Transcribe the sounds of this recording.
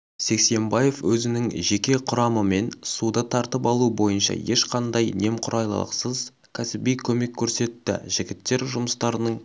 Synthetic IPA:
se̞kse̞mbɑje̞fwɵzɪnɪŋʒe̞kʲe̞qʰʊɾɑməme̞nsud̪ət̪ʰɑɾt̪əpɑlˠubo̞jənʃɑ̰je̞ʃqɑnd̪ɑjne̞mqʰʊɾʔɑjlˠə̰lˠə̰qsəz | kʲʰæsɪbijkʲʰɵme̞kʲʰːɵɾse̞t̪ːɪ̰ʒɪɡʲɪt̪ːe̞ɾʒʊməst̪ɑɾənəɴ

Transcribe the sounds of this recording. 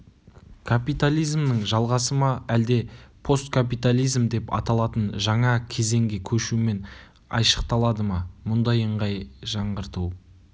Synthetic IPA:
kʰapijt̪alʲˠijzmnəɴʒɑlˠʁɑsəmɑæld̪e̞pʰo̞st̪̚kʰap̬ijt̪alʲˠijzmd̪e̞pɑ̰t̪ɑlˠɑt̪ənʒɑɴɑkʲʰe̞ze̞ŋɡʲekʲʰɵʃume̞n | ɑ̰jʃə̥qt̪ɑlˠɑd̪əmɑmʊnd̪ɑjəɴʁɑjʒɑɴʁəɾt̪uw

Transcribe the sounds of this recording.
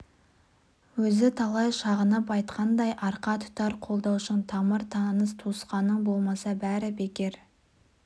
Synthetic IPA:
wɵzɪt̪ʰɑlˠɑjʃɑʁənəpɑjt̪̚qʰɑnd̪ɑjʔɑɾqɑt̪ʰʊ̥t̪ɑɾqʰo̞lˠd̪ɑwʃəɴt̪ʰɑməɾt̪ʰɑnəst̪ʰusqɑnəɴbo̞lˠmɑsɑbæɾɪbe̞kʲe̞ɾ

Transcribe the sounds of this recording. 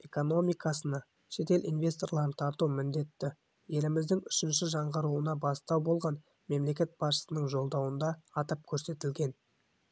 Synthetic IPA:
e̞ko̞no̞mijkɑsənɑ | ʃe̞t̪e̞lʔḭnvʲe̞st̪o̞rlˠɑɾənt̪ʰɑɾt̪uwmɪnd̪e̞t̪ːɪ | je̞lɪmɪzd̪ɪŋʏʃɪnʃɪʒɑɴʁəɾuwənɑbɑst̪ɑwbo̞lˠʁɑn | me̞mle̞kʲe̞t̪̚b̥ɑsʃə̥sənəɴʒo̞lˠd̪ɑwənd̪ɑːt̪əp̚kʲʰɵɾse̞t̪ɪlɡʲe̞n

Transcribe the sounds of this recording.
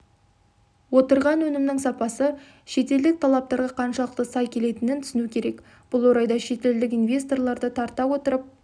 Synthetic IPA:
wo̞t̪əɾʁɑnwɵnɪmnɪŋsɑpɑsə | ʃe̞t̪e̞ld̪ɪk̚t̪ʰɑlˠɑp̚t̪ɑɾʁɑqʰɑnʃɑlˠəq̚t̪əsɑjkʲʰe̞le̞t̪ɪnɪnt̪ʰʏ̥sɪnukʲʰe̞ɾe̞k | b̥ʊlˠwo̞ɾɑjd̪ɑʃe̞t̪e̞ld̪ɪk̬invʲe̞st̪o̞rlˠɑɾd̪ət̪ʰɑɾt̪ɑwo̞t̪əɾəp̚

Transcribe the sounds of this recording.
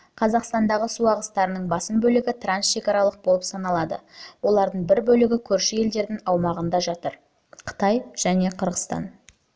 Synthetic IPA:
qʰɑzɑqst̪ɑnd̪ɑʁəsuɑʁəst̪ɑɾənəɴbɑsəmbɵlɪɡʲɪt̪ransʃe̞kʲɑɾɑlˠəq̚bo̞lˠəpsɑnɑlˠɑd̪ə̰wo̞lˠɑɾd̪əɴbɪɾbɵlɪɡʲɪkʲʰɵɾʃɪje̞ld̪e̞ɾd̪ɪŋɑwmɑʁənd̪ɑʒɑt̪əɾ | qʰə̥t̪ɑjʒ̥æne̞qʰəɾʁəst̪ɑ̰n

